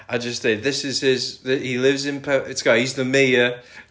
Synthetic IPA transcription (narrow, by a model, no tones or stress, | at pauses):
aɪd͡ʒʌssɪðɪsɪz̥ɪzðɪhilɪvzɪ̃npʰɛɪtɡahizðəmiːə